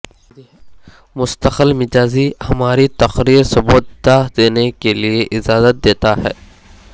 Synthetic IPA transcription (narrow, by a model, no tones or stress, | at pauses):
mʊst̪əqəlmɪd͡ʒaːzihɐmaːɾit̪ɐqɾiːɾsɐbuːt̪d̪ad̪eːnekelieʔɪzaːzət̪̚d̪eːt̪aɦɛ̰ː